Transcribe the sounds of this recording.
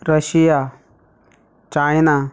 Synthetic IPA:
ɾəɕija | t͡ʃajna

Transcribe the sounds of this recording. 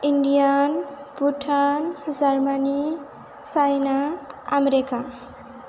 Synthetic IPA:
iɳɖijanpuʈʰand͡ʒaɾmani | sajnaːmeɾeka

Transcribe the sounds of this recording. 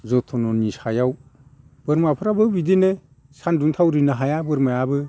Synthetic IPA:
zɔtʰɔnɔnisajaw | b̥ɯɾmapʰɯɾabɯbidene | sanduŋtʰawɾinaɦajabɯɾmajabɯ

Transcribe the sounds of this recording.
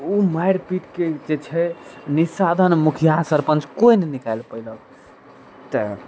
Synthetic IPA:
umajɽpiʈked͡ʒet͡ʃʰɛnisad̪ʱənmukʰijasəɾpənt͡ʃʰkojnenikajlpəiləɡ | t̪ə

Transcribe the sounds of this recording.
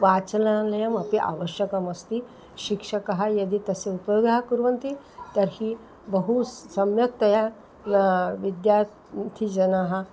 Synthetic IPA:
ʋat͡slalɐjəmɐpiʔa̰ʋəɕjəkɐmɐst̪i | ʃikʂəkaɦajɐd̪iːt̪ɐseupjoɡ̪aɦakuɾʋɐnt̪i | t̪ɐɾhiː | bəɦusɐmjɐk̚t̪ɐja | ʋid̪jaɾ | t̪ʰid͡ʒɐnaɦa

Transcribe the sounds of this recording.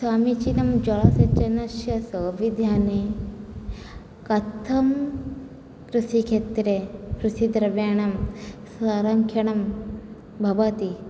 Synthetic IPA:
saːmit͡ʃinɐmd͡ʒɐɭɐsɐt͡ʃɐnɐsjɐsəːʋid̪ʱjaːne | kɐt̪ʰːɐm | kɾusikʰet̪ɾekɾusid̪ɾɐʋjaːɳɐmsaːɾɐŋkʰjɐɳɐm | bʱɐʋɐt̪i

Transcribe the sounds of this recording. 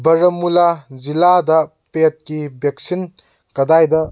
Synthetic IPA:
bɐɾɐmːulaziladɐ | pet̚kibek̚sin | kɐdajdɐ

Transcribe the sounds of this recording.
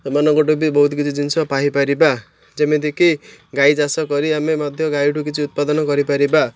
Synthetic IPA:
mʌnʌɡoʈubibɔɦut̪ɡit͡sid͡zinsʰʌpaɦipaɾiba | d͡zʌmed̪ikiɡajd͡zasʌkʌɾiamemʌd̪ʱjʌɡajʈukit͡sʰiut̪̚pad̪ʌnʌɡʌɾipaɾiba

